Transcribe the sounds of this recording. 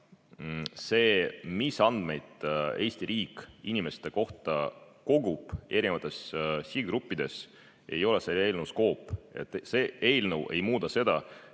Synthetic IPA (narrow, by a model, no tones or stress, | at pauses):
se̞ːmisɑnd̪̥me̞jd̪̥e̞ːsʲt̪iɾiːkinʲime̞st̪e̞ko̞ht̪ɑko̞ɡub̥e̞ɾinvɑt̪ːˑe̞ssid̪ɾupːid̪̥e̞s | e̞̰jo̞lesele̞ːlnəwsko̞ːpːˑḛt̪ːse̞e̞ːlnəwʔe̞jmuːd̪ɑse̞d̪ɑ